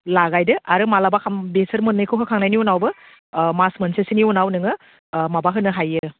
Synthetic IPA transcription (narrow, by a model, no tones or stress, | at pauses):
laɡajdɯʔaɾɯmalabakʰambesɐɾmɯnːɯjkʰɯwkʰɯkʰaŋnajniɔnawbɯ | masmɐnsesiniɔnawnɯŋɯ | mabaɦʰɯnɯɦajɯ